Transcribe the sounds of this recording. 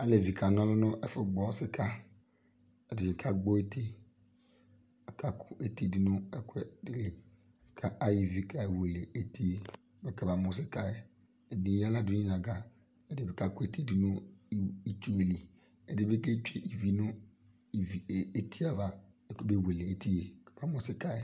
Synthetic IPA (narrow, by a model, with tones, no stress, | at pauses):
a˦le˨vi˨ka˨nɔ̃˦lʊ˦nʊ̃˦ʔe˦fʊ˦ɡ͡bɔ˨˦sɪ˦ka˦ | e˨dɪ˨ɲɪ˨ka˦ɡ͡bo˦e˦t̪e˦ | a˨ka˦kʰʊ˦ʔe˦t̪i˦di˨nʊ̃˦e˦ke˦dɪ˨le˨ | kʰa˦a˦ji˨vi˨ka˦e˨we˨le˨e˨t̪i˦e˦ | be˦ke˦ba˨mʊ̃˨s̬ɪ˦ka˦e˦ | e˨nĩ˨˦a˦la˦du˦ɲĩ˦nã˨ɡa˨ | e˦de˨be˨ka˦kʊ˦e˦ti˦di˨nʊ̃˦i˦t͡ʃu˦e˨li˨ | e˨de˨be˦ke˦t͡ʃe˦ʔi˨vi˦nʊ̃˦ | i˨vi˨e˦tʰi˦a˨va˨ | kbe˦we˨le˨e˦ti˦je˨kḁ˨b̥a˨mɔ˦sɪ˦ka˦e˦